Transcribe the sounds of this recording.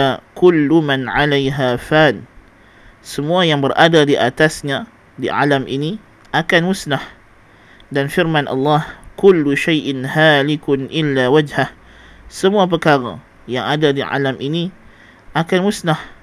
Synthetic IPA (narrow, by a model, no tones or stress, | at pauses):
kʊlːumanʕalajɦafaːn | səmuajaŋbərʔadadiʔat̪asɲa | diʕalamʔini | ʔakanmʊsnah | danfirmanʔɑ̰lːɑhkʊlːuʃajʔɪnhaːlɪkʊnʔɪlːaːwad͡ʒhah | səmuap̬əkaɾa̰ | jaŋadadiʕa̰lamʔini | ʔakanmʊsnah